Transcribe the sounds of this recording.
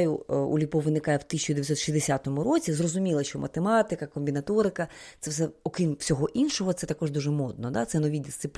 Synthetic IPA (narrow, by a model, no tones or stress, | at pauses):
jʊṵlʲipɔʋɪnɪkɑjɛwt̪ɪsʲɪ̥t͡ʃʊd̪ejɐtsɔt̪ʃʲizd̪esʲat̪ɔmʊɾɔt͡sʲizrɔzʊmʲilˠɐʃt͡ʃɔmʔɐ̰t̪emɑt̪ɪkɐkɔmʲbʲinɐt̪ɔɾɪkɐt̪sɛfsɛɔkɾʲimwsʲɔɦɔʔinʃɔɦɔt̪sɛt̪ɐkɔʒd̪uʒɛmɔd̪̚nɔd̪a̰t̪sɛnɔʋʲid̪ʲɪst̪sɪplʲ